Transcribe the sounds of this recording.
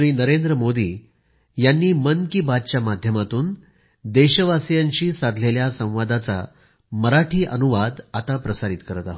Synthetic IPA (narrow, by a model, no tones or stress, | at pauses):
ɾiːnəɾend̪ɾəmod̪iː | janːiːmənkiːbad̪̚t͡ɕjamad̪ʱjəmat̪uːn | d̪eɕəʋasjaɲt͡ɕiːsad̪ʱleljasə̃w̃ʋad̪at͡sa̰ | məɾaʈʰiːʔənuʋad̪at̪apɾəsaɾit̪kəɾət̪aɦo